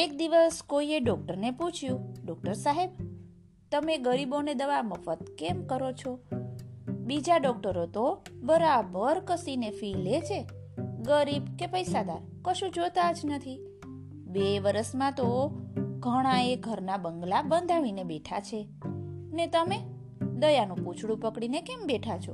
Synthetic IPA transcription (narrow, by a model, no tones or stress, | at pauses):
ekd̪iʋəskoieɖɔk̚ʈəɾneput͡ʃʰjũɖɔk̚ʈəɾsaɦeb | t̪əmeɡəɾiboned̪əʋaməfət̪̚kemkəɾot͡ʃʰo | bid͡ʒaɖɔk̚ʈəɾot̪obəɾabʱəɾkəsinefilet͡ʃʰe | ɡəɾibkepəjsad̪aɾ | kəʃũd͡ʒot̪ad͡ʒnət̪ʰi | beʋəɾəsmãt̪o | ɡʱəɽ̃aeɡʱəɾnabəŋɡlabənd̪ʱaʋinebeʈʰat͡ʃʰe | net̪əme | d̪əjanũput͡ʃʰɽũpəkɽinekembeʈʰat͡ʃʰo̰